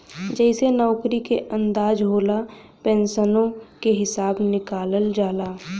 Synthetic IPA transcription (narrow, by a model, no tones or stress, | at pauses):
d͡ʒɛːɪsenɔːkɾikeʔə̃nd̪aːd͡ʒɦoːla | pɛ̃ːnsənõkeɦɪsaːbnɪkaːləld͡ʒaːlaː